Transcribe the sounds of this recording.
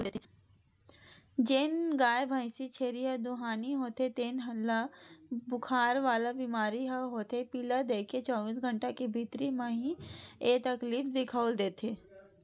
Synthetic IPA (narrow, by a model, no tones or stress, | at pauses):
d͡ʒenɡaːjebʱaːɪsit͡ʃʰeːɾiɦɐd̪ʊɦaːniɦoːt̪et̪eːnɦɐlːabʊkʰaːɾʋaːlabiːmaːɾiɦaɦoːt̪epiːlad̪eːkʰet͡ʃɔːbiːsɡʱə̃ɳʈakibʱit̪ɾimãɦĩeːt̪ɐkliːfd̪ɪkʰaːʊld̪eːt̪ʰeː